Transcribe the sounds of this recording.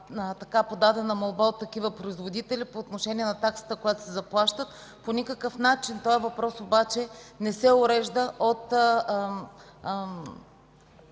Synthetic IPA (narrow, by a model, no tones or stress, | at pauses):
t̪ɐkapod̪ad̪ɛnɐmolˠbaot̪ːɐkivəpɾoizvod̪it̪ɛlipoːt̪noʃɛnʲiɛnɐt̪aksə̥t̪əkojat̪o̥sɛzɐplˠaʃt̪ət̪ | ponʲikəkəfnat͡ʃint̪ɔɛvɐpɾɔsobat͡ʃɛnɛsɛoɾɛʒd̪əʔot̪